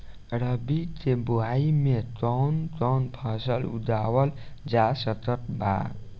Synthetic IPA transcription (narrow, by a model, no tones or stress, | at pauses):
ɾəbikeboɦaimet̪ɔwnt̪ɔnpʰəsəlṵd̪awəld͡ʒasət̪ət̪ba̰ɡ